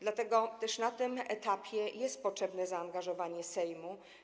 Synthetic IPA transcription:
d̪lat̪ɛɡɔt̪ɛʂnat̪ɘmɛt̪apʲjɛjɛst̪̚pɔtʂɛbnɛzaːnɡaʐɔvaɲɛsɛjmu

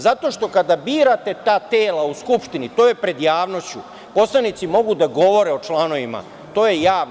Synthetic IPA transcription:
zat̪o̞ʃt̪o̞kad̪abiːɾat̪e̞t̪aːt̪eːlauskupʃt̪init̪o̞ːje̞pɾe̞d̪jaːʋno̞st͡ɕu | po̞slˠanit̪simo̞ɡud̪aɡo̞ʋo̞ɾeo̞t͡ʃlano̞ʋima̰ | t̪o̞ːjejaː

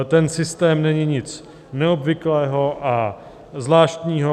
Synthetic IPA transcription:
t̪ɛnsɪst̪ɛːmnɛɲɪɲɪt͡s | nɛobvɪklɛːɦoʔa | zlaːʃt̪ɲiːɦo

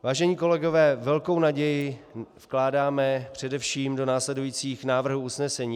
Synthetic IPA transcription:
vaːʒɛɲiːko̞lɛɡovɛːvɛlko̞wnaɟɛjɪfklaːdaːmɛpr̝̥ɛdɛfʃiːmdo̞naːslɛdujiːt͡siːxnaːvr̩ɦuusnɛsɛɲiː

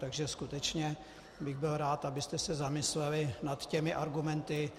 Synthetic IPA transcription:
t̪aɡʒɛskut̪ɛt͡ʃɲɛ | bɪɣbɪlɾaːt̪abɪst̪ɛsɛzamɪslɛlɪnat̪cɛmɪʔaɾɡumɛnt̪ɪ

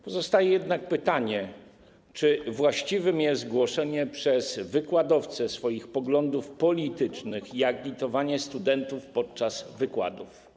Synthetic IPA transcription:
pɔzɔst̪ajɛjɛd̪nak̚pɘt̪aɲɛ | t͡ʂɘvwaɕt͡ɕivɘmjɛst̪ɡwɔʂɛɲɛpʂɛzvɘkwad̪ɔft̪sɛsfɔjixpɔɡlɔnd̪ufpɔlʲit̪ɘt͡ʂnɘxjaklʲit̪ɔvaɲɛst̪ud̪ɛnt̪ufpɔt̪̚t͡ʂazvɘkwa̰d̪uf

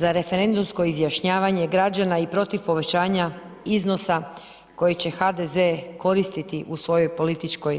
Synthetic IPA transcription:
zaɾe̞fe̞ɾe̞nd̪umsko̞izjaʃɲaːʋaɲe̞ɡɾad͡ʑanaipɾo̞t̪iʋpo̞ʋe̞t͡ɕaːɲa | izno̞sa | ko̞jet͡ɕe̞xad̪ezeko̞ɾist̪it̪iʔusʋo̞jo̞jpo̞lit̪it͡ʃko̞j

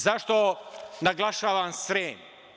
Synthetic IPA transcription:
zaʃt̪onaɡlˠaʃaːʋamsɾeːɲ

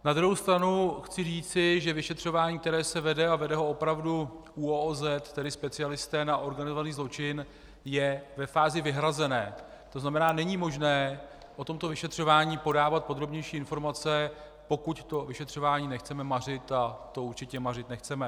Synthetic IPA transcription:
nad̪ɾuɦowst̪ɾanuxt͡sɪriːt͡sɪʒɛvɪʃɛt̪r̝̥o̞vaːɲiːk̚t̪ɛɾɛːsɛvɛdɛavɛdɛɦoo̞pɾavdu | uoːzɛt̪t̪ɛdɪspɛt͡sɪalɪst̪ɛːnaʔo̞ɾɡanɪzovaniːzlo̞t͡ʃɪn | jɛvɛfaːzɪvɪɦɾazɛnɛː | t̪oznamɛnaːnɛɲimo̞ʒnɛː | ʔo̞t̪o̞mt̪o̞vɪʃɛt̪r̝̥o̞vaːɲiːpo̞daːvat̪̚po̞d̪ɾo̞bɲɛjʃiːɪnfo̞ɾmat͡sɛ | po̞kuct̪o̞vɪʃɛt̪r̝̥o̞vaːɲiːnɛxt͡sɛmɛmar̝ɪt̪at̪o̞uɾt͡ʃɪcɛmarɪt̪nɛxt͡sɛmɛ

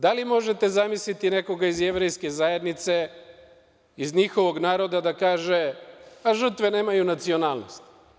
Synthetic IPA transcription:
d̪alimo̞ʒet̪e̞zamislit̪ine̞ko̞ɡaizeʋɾejskezaje̞d̪nit̪se̞ | izɲixo̞ʋo̞ɡnaːɾo̞d̪ad̪akaːʒeaʒr̩t̪ʋene̞ːmajunat̪sio̞naːlˠno̰st̪

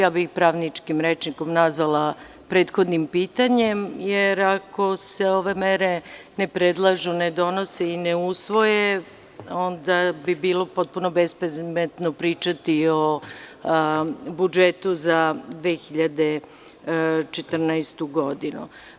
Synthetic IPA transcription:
jaːbixpɾaːʋnit͡ʂkimɾet͡ʃniko̞mnazʋalˠa | pɾe̞ːt̪xod̪nimpiːt̪aɲemjeɾako̞se̞o̞ʋe̞meɾe̞nepɾed̪lˠaʒuned̪o̞noseineusʋo̞je | o̞nd̪abibiːlo̞po̞t̪̚punobespemet̪nopɾiːt͡ʃat̪io | bud͡ʒet̪uzad̪ʋeːxiʎad̪e | t͡ʃet̪r̩najst̪uɡo̞d̪inṵ

